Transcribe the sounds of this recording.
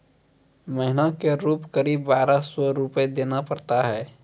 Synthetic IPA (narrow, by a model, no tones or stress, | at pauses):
məɦɪnakeɾuːpkəɾiːbːaːɾasɔɾuped̪eːnapəɾt̪aɦɛː